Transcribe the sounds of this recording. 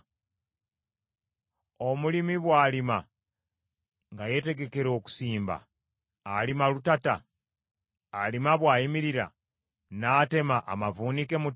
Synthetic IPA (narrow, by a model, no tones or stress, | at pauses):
o̞mulimiβwaːlima | ŋɡaje̞te̞ɡe̞ke̞ɾo̞ːku̥siːmba̰ː | limalutata̰ | limaβwaːjimiɾiɾa̰ | naːte̞maʔa̰mavuːnike̞mu